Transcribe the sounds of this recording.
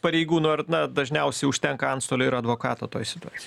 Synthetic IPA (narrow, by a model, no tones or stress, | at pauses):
pɐɾʲɛɪɡuːnʊɐrnɐd̪ɐʒʲnʲɛʊsʲɛɪʊʃʲt̪ʲɛŋkɐɐnt̪st̪oːlʲʊːɪɾɐd̪ʋoːkɑːt̪o̰ːt̪o̰ːjsʲɪt̪ʊɑːt͡sʲɪj